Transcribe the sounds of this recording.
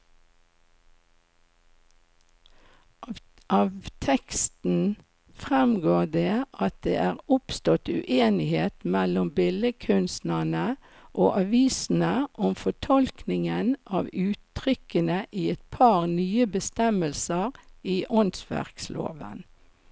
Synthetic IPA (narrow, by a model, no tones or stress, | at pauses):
ʔɑːʋt̪ʰɛkst̪n̩ | fʁɛmɡoːd̪eːɑt̪̚d̪ḛːʔæːʁʊpst̪ɔt̪ʉ̰ʔeːnɪheːt̪mɛlʊmbɪləkʰʉnst̪nənə | ʔo̰ːʔɑʋiːsn̩əʔɔmfɔʈʰɔlknɪŋənʔɑːʋʉːt̪ːʁʏkənəʔiːɛt̪̚pʰɑːʁnyːəbəst̪ɛməlsəʁiːʔʊnsʋæ̰ʁkslʔo̰ːʋə̰n